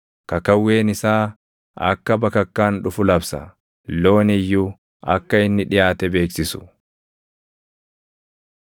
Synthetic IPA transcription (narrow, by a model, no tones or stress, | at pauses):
kɐkɐwːe̞ːnɪsaː | ɐ̰kːɐbɐkɐkːaːnᶑʊfʊlɐbsɐ̰ | lo̞ːnɪjːʊ | ɐkːɐɪnːɪᶑɪjaːt̪ɛbe̞ːksɪsʊ̥